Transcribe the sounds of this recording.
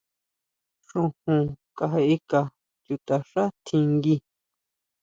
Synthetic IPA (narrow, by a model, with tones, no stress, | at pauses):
ʂũ˧hũ˨ka˧ɦe˧ʔi˦ka˨ | ju˧t̪a˨ʂa˦t̪ʰĩ˧ŋɡi˧